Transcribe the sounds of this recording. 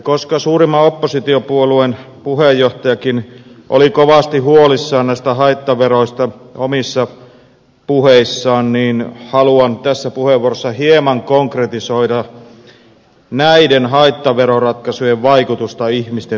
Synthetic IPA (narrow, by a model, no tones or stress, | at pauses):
koskɑsuːrimːɑopːosit̪iopuoluen | puhejːoht̪ɑjɑkinʔo̰likoʋɑst̪iɦuolisːɑːnnæist̪æhɑit̪ːɑʋeroist̪ɑomisːɑ | puheisːɑːnniːnhɑluɑnt̪æsːæpuheʋːuorosːɑhiemɑŋkoŋkret̪isoidɑ | næidenhɑit̪ːɑʋeɾorɑt̪kɑsujeʋʋɑikut̪ust̪ɑihmist̪e